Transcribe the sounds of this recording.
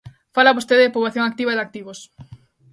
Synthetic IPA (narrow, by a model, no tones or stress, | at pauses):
falaβost̪eðepoβaθjõŋak̚t̪iβaðak̚t̪iβos